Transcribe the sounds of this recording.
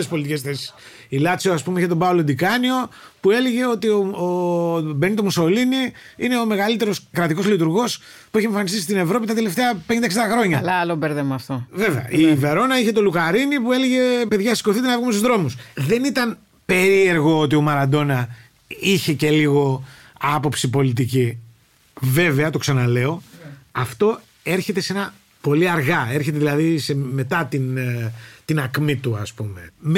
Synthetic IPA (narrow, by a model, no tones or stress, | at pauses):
espo̞lit̪ice̞sθesi̥ | ilɐt͡sioɐspumiçet̪obaolod̪ikɐnio̞ | pue̞leʝeo̞t̪ioobenit̪omuso̞liniine̞ome̞ɣɐlit̪e̞ɾo̞skɾɐt̪iko̞zlit̪uɾɣo̞s | pueçeɱfɐnist̪is̬t̪ine̞vɾo̞p̬it̪ɐt̪e̞le̞ft̪eɐpeɲnd̪ɐksend̪ɐxɾo̞ɲɐlɐlobeɾðemɐft̪ove̞veɐ̰ʔive̞ɾo̞nɐiçe̞t̪oluɣɐɾinipue̞leʝe̞pe̞ðʝɐsi̥ko̞θit̪enɐvɣumst̪uzðɾo̞musðe̞nit̪ɐn | pe̞ɾie̞ɾɣo̞ot̪̬io̞mɐɾɐnd̪o̞nɐ | içe̞ce̞liɣo̞ | ɐpo̞psipo̞lit̪ici | ve̞ve̞ɐt̪o̞ksɐnɐle̞o̞ɐft̪o̞ | e̞ɾçe̞t̪e̞se̞nɐ | po̞liɐɾɣɐe̞ɾçe̞t̪e̞ðilɐðise̞me̞t̪ɐt̪in | t̪inɐkmit̪uɐspume̞m